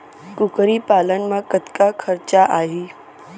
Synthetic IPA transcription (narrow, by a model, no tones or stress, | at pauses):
kʊkɾipaːlən̆mãkət̪kakʰəɾt͡ɕaʔaːɦiː